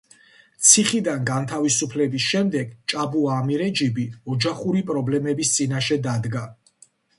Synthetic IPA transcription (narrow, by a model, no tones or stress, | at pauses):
t̪sʰiχid̪anɡant̪ʰavisupʰlɛbisʃɛmd̪ɛɡt͡ʃʼabuaːmiɾɛd͡ʒibiɔd͡ʒaχuɾipʼɾɔblɛmɛbist̪sʼinaʃɛd̪ad̪ɡa